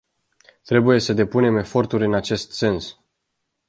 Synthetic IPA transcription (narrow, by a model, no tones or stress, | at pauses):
t̪ɾe̞buje̞səd̪e̞pune̞me̞fo̞rt̪uɾʲɨnat͡ʃe̞st̪se̞ns